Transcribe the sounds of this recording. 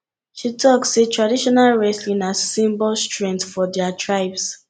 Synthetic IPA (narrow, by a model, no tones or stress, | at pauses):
ʃitʰɔksːetɹadiʃɔnalɹɛslĩnassĩmbɔlstɹɛ̃ntfɔdɛatɹaɪbs